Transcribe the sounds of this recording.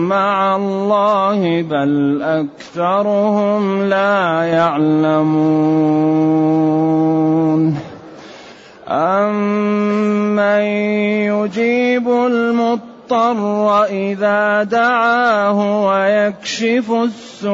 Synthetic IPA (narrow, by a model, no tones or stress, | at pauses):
maʕalˤːɑːhɪbalʔakθɑɾˤʊhʊmlaːjaʕlamuː | n | ʔamː | ajʊd͡ʒiːbʊlmʊt̪ˤːɑrˤːɑʔɪðaːd̪aʕaːhʊwajakʃɪfʊsːʊ